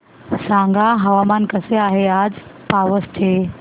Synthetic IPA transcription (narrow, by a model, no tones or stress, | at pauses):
sãŋɡʱaɦəʋamankəseaɦead͡zpaʋəst̪ʰe